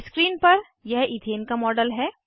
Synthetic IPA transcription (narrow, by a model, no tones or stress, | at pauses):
skɾiːnpɐɾ | jɛɦit̪ʰeːnkamɔːɖəlɦɛː